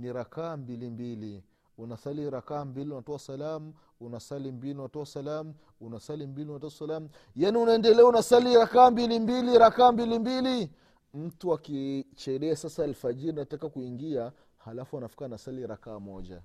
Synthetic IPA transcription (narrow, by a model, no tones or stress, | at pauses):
niɾakaːmbilimbili | unasaliɾakaːmbiliunatɔwasalamu | unasalimbilinwatɔwasalamu | unasalimbilinwatɔsalamu | janiunaɛndɛlɛaunasaliɾakaːmbilimbiliɾakaːmbilimbili | m̩tuakit͡ʃɛɗɛasasaːlfaʄiɾinatakakuiŋɡia | halafuanafi̥kanasaliɾakaːmɔʄa̰